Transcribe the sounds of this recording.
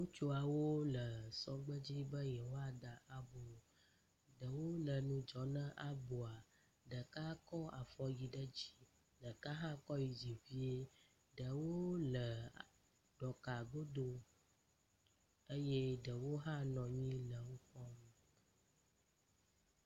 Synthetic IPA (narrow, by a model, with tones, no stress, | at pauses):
ŋũ˦t͡ʃo˦a˨wo˦lə˨sɔ˦ɡ͡bə˦d͡ʑi˦bə˦jɛ˨wo˦a˨ɖa˨ʔa˨bo˨ | ɖə˨wo˦lə˨nũ˦d͡ʒɔ˨nə̃˦ʔa˨bo˨a˨ | ɖə˨ka˦kɔ˦a˨fɔ˦ji˨ɖə˦d͡ʑi̥˨ | ɖə˨ka˦ɦã˦kɔ˦ji˨d͡ʒi˨vi˦e˦ | ɖə˨wo˦lə˨ | ɖ̥ɔ˨ka˨ɡ͡bo˦d̪o˦ | e˦je˦ɖə˨wo˦ɦã˦nɔ̃˨ɲĩ˦lə˨wo˦ɸɔ˦m˦